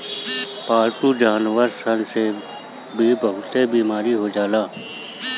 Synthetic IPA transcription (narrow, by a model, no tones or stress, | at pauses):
paːɾʈud͡ʒaːnʋəɾsənse | bʱibəɦʊt̪ebiːmaːɾiɦod͡ʒaːlaː